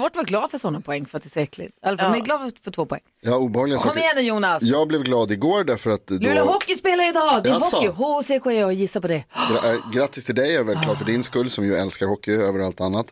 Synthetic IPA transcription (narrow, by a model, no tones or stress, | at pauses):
vɔʈvaɾɡlɑːd̪fœʂɔnːapʰɔɛŋːfœɾat̪d̪ɛsɛkʰlɪ̰t̪ɛlːəfmɛɡlɑːd̪fœʈʰvoːpʰɔɛ̰ŋːjɑːuːbɛhɑːɡlɪɡakʰɔmɛjɛnːəjuːnasjɑːɡblɛvɡlɑːd̪ɪɡoːɾɖæɾfœɾat̪lʉːlaɦɔkːɪspeːlaɾəɪd̪ɑːd̪ɛɦɔːɪɦoːsekʰʊɛɑjɪsːaɾpɔd̪ɛɡɾɡɾat̪ːɪst̪ʰɪld̪ɛjavɛlkʰlɑːɾfœɖɪnskɵlːsɔmjɵɛlskaɾhɔkːɪøːvəɾalt̪anːat̪